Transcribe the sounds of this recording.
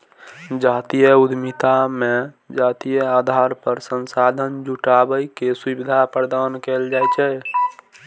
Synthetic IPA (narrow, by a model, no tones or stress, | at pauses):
d͡ʒaːt̪ijəud̪ʱmit̪ame | d͡ʒat̪ijəad̪ʱaɾpəɾsənsad̪ʱənd͡ʒuʈabəjkesubid̪ʱapəɾd̪ankeld͡ʒajt͡ʃʰɛ